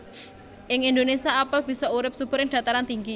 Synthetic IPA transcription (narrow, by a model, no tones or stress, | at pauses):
ʔɪŋind̪onesiaapəb̥i̤sɔuɾɪp̚sub̥ʊ̤ɾɪŋɖ̥ä̤t̪aɾant̪iŋɡi